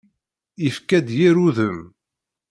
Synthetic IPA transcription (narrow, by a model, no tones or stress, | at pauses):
ifkæd̪jiɾuðəm